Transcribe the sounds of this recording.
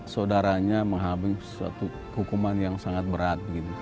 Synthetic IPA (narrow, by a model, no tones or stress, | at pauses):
saodaɾaɲaməŋɦabɪŋsua̰t̪u | hukumanjaŋsaŋat̪̚bəɾat̪̚bəɡit̪u